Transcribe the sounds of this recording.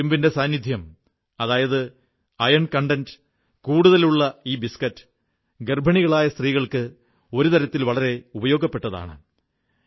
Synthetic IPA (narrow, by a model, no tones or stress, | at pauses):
umbinde̞saːnːid̪ʱjɐm | ɐðaːjɐðɨ | ɐjɐɳkɐɳɖɐnd | kuːɽuðɐluɭːɐiːbiskɐtːɨ̥ | ɡerbʱɐɳiɣɐɭaːjɐst̪riːɣɐɭkɨ | o̞ɾut̪ɐɾɐt̪ːilʋɐɭɐɾe̞ubɐjo̞ːɡɐpːe̞ʈːɐða̰ːɳɨ